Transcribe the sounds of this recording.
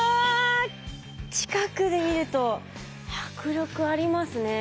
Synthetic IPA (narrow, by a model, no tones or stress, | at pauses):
a | t͡ɕi̥kakɯ̟d̪e̞mʲiɾɯ̟t̪o̞ | çakɯ̟ɾʲo̞kɯ̟aɾʲimasɨne̞